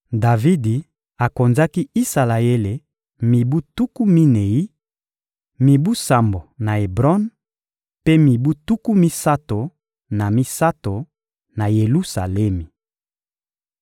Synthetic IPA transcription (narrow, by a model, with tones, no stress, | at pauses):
da˨vi˦di˨ | a˨ko˨nza˦ki˦i˦sa˨la˨e˦le˨ | mi˨bu˦tu˦ku˦mi˦ne˨i˦ | mi˨bu˦sa˨mbo˨na˨e˨bʁɔ˦n | pe˦mi˨bu˦tu˦ku˦mi˦sa˦to˨ | na˨mi˦sa˦to˨ | na˨je˨lu˦sa̰˨le˦mi˨